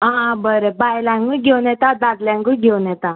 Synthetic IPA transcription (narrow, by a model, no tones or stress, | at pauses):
ɦãbəɾebajlaŋɡuɡʱewnɛt̪ad̪ad̪ljãŋɡuɡʱewnɛt̪a